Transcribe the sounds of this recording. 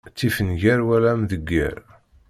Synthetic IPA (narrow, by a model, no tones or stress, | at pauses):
t͡sːifənʝæɾwælæmðəɡːæ̰ɾ